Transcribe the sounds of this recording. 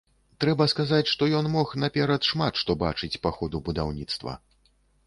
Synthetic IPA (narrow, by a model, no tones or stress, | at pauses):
t̪ɾɛbɐskazat͡sʲʂt̪ɔjɔnmɔxnapʲɛɾɐt̪ʂmat̪ʂt̪ɔba̰t͡ʂɨt͡sʲpaxɔd̪ubud̪awnʲit̪st̪vɐ̰